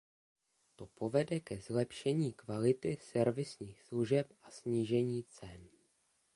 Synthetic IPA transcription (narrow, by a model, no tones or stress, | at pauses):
t̪o̞po̞vɛdɛkɛzlɛpʃɛɲiːkvalɪt̪ɪsɛɾvɪsɲiːxsluʒɛp̚ʔasɲiːʒɛɲiːt͡sɛn